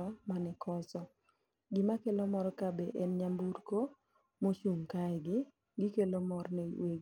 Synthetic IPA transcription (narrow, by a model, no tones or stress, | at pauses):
ɔmanɪkɔsɔ | ɡɪmakelomɔɾɔkabɛʔɛnɲambuɾko | mot͡ʃuŋkaɛɡɪ | ɡɪkelomɔrnewe